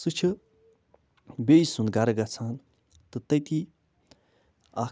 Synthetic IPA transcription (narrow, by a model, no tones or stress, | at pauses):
sɨt͡ʃʰɨ | bejisund̪̚ɡaɾɐɡat͡sʰan | t̪ɨt̪ɐjt̪i | a